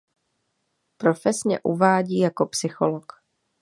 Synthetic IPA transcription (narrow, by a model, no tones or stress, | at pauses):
pɾo̞fɛsɲɛ̰ʔuvaːɟiːjako̞psɪxolok